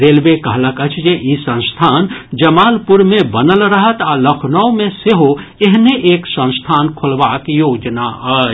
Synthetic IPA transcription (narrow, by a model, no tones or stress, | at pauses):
ɾeːlbekəɦləkət͡ʃʰd͡ʒeʔisə̃nst̪ʰaːnd͡ʒəmaːlpuɾmẽbənəlɾəɦət̪aləkʰnəwmẽseɦoeɦneʔeːksə̃nst̪ʰaːnkʰolbakjoːd͡ʒnaə